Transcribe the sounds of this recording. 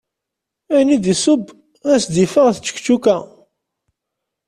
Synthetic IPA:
ænid̪isʊb | æsd̪ifəʁθt͡sːə̥kt͡ʃːukæ

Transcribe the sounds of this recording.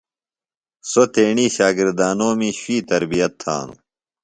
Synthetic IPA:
sot̪eːɳiːɕaːɡiɾd̪aːnoːmiɕwiːt̪ɐɾbijɐt̪ʰːa̰ːnṵ

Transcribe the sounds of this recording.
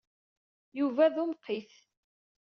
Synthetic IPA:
juvæðumqʰːiθ

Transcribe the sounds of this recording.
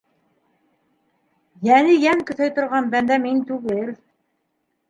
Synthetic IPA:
jænijæŋkɵ̆θæjt̪ŏɾʁɑnbænd̪æmint̪ʉɡɘl

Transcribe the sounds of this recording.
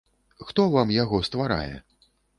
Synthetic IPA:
xt̪ɔvamjaɣɔst̪vaɾa̰jɛ̰

